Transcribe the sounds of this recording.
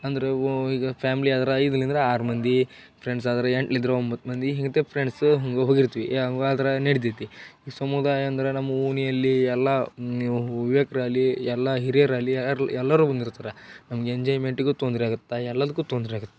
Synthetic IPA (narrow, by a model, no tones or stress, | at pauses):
ɐnd̪ɐɾeiːɡɐpʰaːmiliaːd̪ɐɾɐid̪ɐlːɐnd̪ɾeaːɾumɐnd̪i | pʰɾeɳɖs̬aːd̪ɐɾɐeɳʈlid̪ɾeombɐt̪ːmɐnd̪iɦiŋɡɐt̪epʰɾeɳɖsɦoŋɡeɦoːɡiɾt̪iʋiʔɐɡaːd̪ɐɾɐneɽit̪it̪ːiisɐmud̪aːjɐːnd̪ɐɾenɐmːɐunijɐlːiɛlːɐ | uʋjekɐɾalːiɛlːɐɦiɾjɐɾaːliɛlːɐɾuːbɐnd̪iɾt̪aːɾɐnɐmɐɡeeɲd͡ʒaːjmeɳʈiɡet̪ond̪ɾiaːɡut̪ːɐɛlːɐd̪ɐkːuːt̪ond̪ɾiaːɡut̪ːe̥